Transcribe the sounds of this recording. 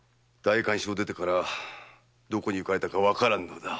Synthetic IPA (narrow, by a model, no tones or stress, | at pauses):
d̪̥aikãɰ̃ɕod̪e̞t̪e̞kaɾa | d̪o̞ko̞ɲ̟iɯ̟kaɾe̞t̪akaβakaɾãnːo̞d̪a